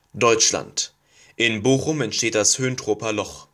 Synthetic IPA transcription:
d̥ɔʏt͡ʃla̰nt | ʔɪnboːxʊmɛntʃteːt̚d̥ashøːntʁ̥oːpɐlɔχ

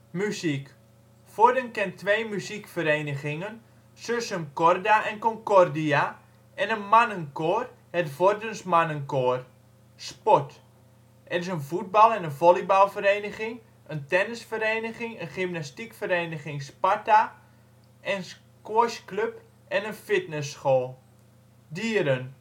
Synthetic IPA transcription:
mysik | fɔdənkɛntʰʋeːmyzikfəɾeːnəɣɪŋən | søsəmkɔrdaʔɛnkɔŋkɔrdia | ʔɛnənmanənkoːr | hɛtvordənsmanənkoər | spɔt | ʔɛrɪs̬ənfut̚bɑlˠɛnənvolˠibalˠfəɾeːnəɣɪŋ | ʔəntɛnəsfəreːnəɣɪŋənχimnastikfəɾeːnəxɪŋspata | ʔɛns | kwoəskløp | ɛnənfɪtnəsːxoːlˠ | diəɾən

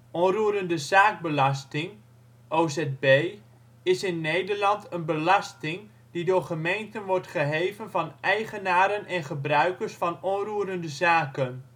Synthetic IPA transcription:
ʔɔruːɾəndəzaːɡ̚bəlɑstɪŋ | ʔoːzɛd̚bej | ɪsɪnːejdəɹlɑntənbəlɑstɪŋ | didʊːɹχəmejntənʋɔɹtχəɦejvənvɑnʔɛjχənaːɾənʔɛnχəbrœɥkəɹsfɑnɔnruːɾəndəzaːkən

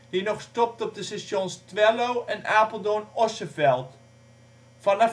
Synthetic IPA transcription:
d̥inɔχstɔp̚tɔp̚dəsɛʃjonstʋɛlowʔɛnaːpəlˠdonɔsəfɛlˠt | fɑnɑ

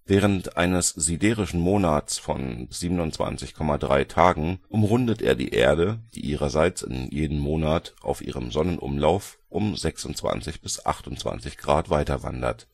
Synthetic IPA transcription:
vɛːʁ̞əntʔʔaɪnəsz̥idɛːʁɪʃn̩moːnat͡sfɔ̰nz̥iːbənʊnt͡sv̥a̰nt͡sɪçkʰɔmadʁa̰ɪtʰaːɡŋ̩ʔʊmʁʊndətʔḛːɐdḭːʔeːɐdəd̥ḭːʔiːʁɐzaɪt͡sɪ̰njeːdəmːoːnatʔa̰ʊfʔḭːʁ̞əmzɔnənʔʊ̰mlaʊfʔʊmzɛksʊnt͡sv̥a̰nt͡sɪçb̥ɪsʔa̰χtʊntt͡sv̥a̰nt͡sɪçɡ̥ʁaːtv̥aɪtɐva̰ndɐ̰t

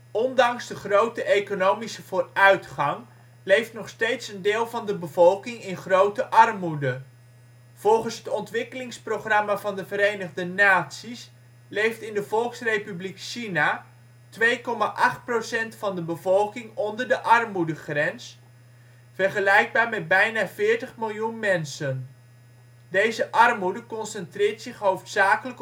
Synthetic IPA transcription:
ɔndɑŋzdəχrowtəʔejkonowmisəv̥oːrœɥtχɑŋ | lejftnɔχstejtsəndeːlˠvɑndəbəvɔlˠkɪŋɪnχrowtəʔɑrmudə | v̥ɔlˠχənsɦətɔntʋɪkəlɪŋsprowχrɑmavɑndəvəɾejnəχdənaːtsis | lejftɪndəvɔlˠksrejpyblikʃina | tʋejkɔmaʔɑχt̚prosɛntfɑndəbəvɔlˠkɪŋɔndəɹdəʔɑrmudəχrɛns | fɛrχəlɛjɡ̚baːɹmɛd̚bɛjnaːvɪːɹtəχmɪlˠjunmɛnsən | dejzəʔɑrmudəkɔnsɛntrɪːɹtsɪχɦowftsaːkələk

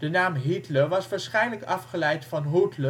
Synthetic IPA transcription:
d̥ənaːmɦitləʋɑsʋaːɹsχɛjnləkɑfχəlɛjtfɑnɦotlə

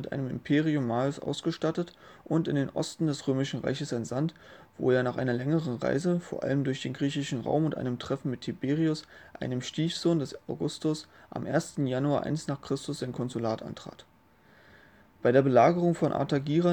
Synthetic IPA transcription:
mɪtʔa̰ɪnəmɪ̰mpʰeːʁiʊmːaːlsʔa̰ʊsɡ̥əʃtatətʔʊntɪndeːnʔɔ̰stn̩dɛsʁøːmɪʃn̩ʁa̰ɪçəsaɪnzantv̥o̰ːeːɐnaːχʔa̰ɪnɐlɛŋəʁənʁa̰ɪzəfoːɐʔa̰ləmdʊɐçd̥eːnɡʁiːçɪʃn̩ʁa̰ʊmʊntʔa̰ɪnəmtʁ̥ɛfn̩mɪtʰːibeːʁiʊsʔa̰ɪnəmʃtiːfz̥oːndɛsaʊɡʊstʊsʔa̰mʔḛːɐstn̩januaːɐʔa̰ɪnsnaːχkʁ̥ɪstʊsz̥aɪnkʰɔnzulaːtʔa̰ntʁ̥a̰ːt | b̥aɪɾeːɐbəlaːɡəʁʊŋfɔnʔa̰ɐtaɡiːʁɐ

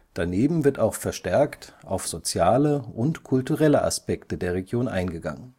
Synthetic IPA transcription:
d̥aneːbm̩vɪɐtaʊxfɛɐʃtɛɐktʔa̰ʊfz̥ot͡sjaːləʔʊntkʰʊltuʁɛləʔa̰spɛktədeːɐʁeɡjoːnʔa̰ɪnɡəɡa̰ŋən

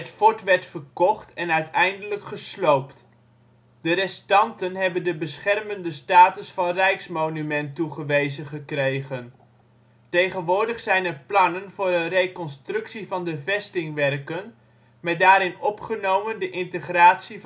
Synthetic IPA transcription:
ətfɔɹtʋɛɹtfərkɔχtɛnœɥtɛjndələkχəslowpt | d̥ərɛstɑntənɦɛbəndəbəsχɛrməndəstaːtəsfɑnrɛjksmownymɛntuχəʋejzənχəkrejχən | tejχənʋʊːɹdəχsɛjnɛɹplɑnənvʊːrənrejkɔnstrɵksivɑndəvɛstɪŋʋɛrkən | mɛt̚daːɾɪnɔpχənowməndəʔɪntəχraːtsi

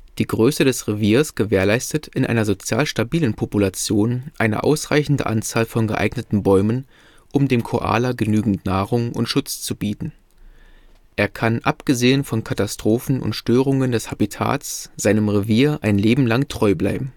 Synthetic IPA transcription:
d̥iːɡʁøːsədɛsʁeviːɐsɡ̥əveːɐlaɪstətɪnʔa̰ɪnɐzot͡sja̰ːlʃtabiːlənpʰopulat͡sjoːnʔaɪnə̰ʔa̰ʊsʁa̰ɪçn̩də̰ʔa̰nt͡saːlfɔnɡəʔa̰ɪɡnətn̩bɔʏmən | ʔʊmdeːmkʰoʔa̰ːlɐɡənyːɡŋ̩tnaːʁʊŋʔʊ̰ntʃʊt͡st͡subiːtn̩ | ʔeːɐkʰanʔapɡ̥əzeːənfɔnkʰatastʁ̥oːfn̩ʊ̰ntʃtøːʁʊŋəndɛshabitʰa̰ːsz̥aɪnəmʁeviːɐʔaɪnleːbm̩laŋtʁ̥ɔʏbla̰ɪbm̩

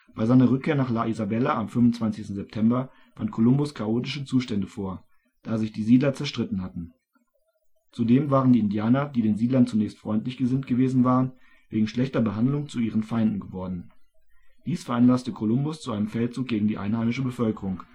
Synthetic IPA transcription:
b̥aɪzaɪnɐʁ̞ʏkʰːeːɐnaːχlaʔizabɛlaamfʏmʊnt͡sv̥ant͡sɪçstn̩zɛp̚tʰɛmbɐ | v̥antkʰolʊmbʊskʰaʔoːtɪʃət͡suːʃtɛndəfoːɐ | d̥aːzɪçd̥iːziːdlɐt͡sɛɐʃtʁ̥ɪtn̩hatn̩ | t͡sudeːmvaːʁəndiːɪndjaːnɐdiːdeːnziːdlɐnt͡sunɛːçstfʁ̥ɔʏntlɪçɡ̥əzɪntɡ̥əveːzn̩vaːʁən | veːɡŋ̩ʃlɛçtɐbəɦandlʊŋt͡suiːʁənfaɪndn̩ɡəvɔɐdn̩ | d̥iːsfɛɐʔanlastəkʰolʊmbʊst͡suaɪnəmfɛltt͡suːk̚ɡ̥eːɡŋ̩diːʔaɪnhaɪmɪʃəbəfœlkəʁʊŋ

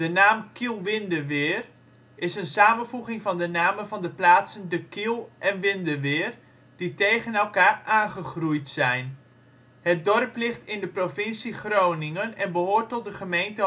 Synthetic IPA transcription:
d̥ənaːmkʰilˠʋɪndəʋɪːr | ʔɪsənsaːmənvuɣɪŋfɑndənaːməvɑndəplaːtsəndəkilˠʔɛnʋɪndəʋɪːr | d̥itejɣənɛlˠkaːraːnχəχrujtsɛjn | hət̚dɔrplɪχtɪndəprofɪnsiχrownɪŋənɛnbəɦoːrtɔt̚dəχəmejntə

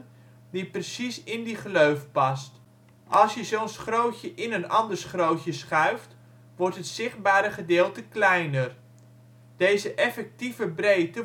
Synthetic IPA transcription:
diprəsisɪndiχəløɥfpɑst | ʔɑlˠsjəzownsχrowcəʔɪnənɑndəɹsχrowcəsχœɥft | ʋɔɹtɦətsɪχd̚baːɾəχədɪːlˠtəklɛjnər | d̥ejzəʔɛfɛk̚tivəbrejtə

